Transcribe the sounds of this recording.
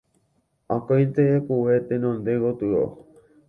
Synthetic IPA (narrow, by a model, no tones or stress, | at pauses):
ãkajnt̪eekuwet̪enõnd̪eɡot̪ɨɾo̰